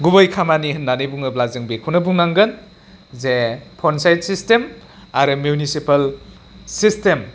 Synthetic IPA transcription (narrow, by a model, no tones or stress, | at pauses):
ɡubɐjkʰamanihɯnːanɯjbuŋɯblazɯŋbekʰunɐbuŋnaŋɡɯn | zepʰɔnsajd̚sistemaɾɯmjunisipɐl | sistem